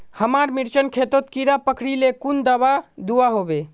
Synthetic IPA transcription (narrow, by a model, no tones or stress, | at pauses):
həmaɾmiɾt͡ʃənkʰet̪ot̪kiɾapəkʰɽilekund̪əbad̪uaɦobe